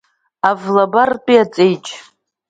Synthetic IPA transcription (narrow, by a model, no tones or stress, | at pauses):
avlabartʷʼiat͡sʼejt͡ʃʼ